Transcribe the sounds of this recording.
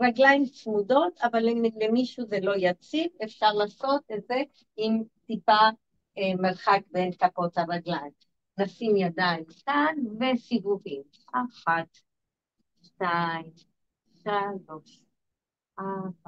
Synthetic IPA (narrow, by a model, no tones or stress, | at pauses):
ʁaɡlaimsudo̞t̪avalilemiʃuzelo̞jat͡sivefʃaʁlaːso̞t̪etze | imt̪ipa | emeʁχakbenkapo̞t̪haʁaɡlaim | nasimjad̪aimkanvesivuʁim | aχat̪ | ʃtaim | ʃalo̞ʃ | ʔaba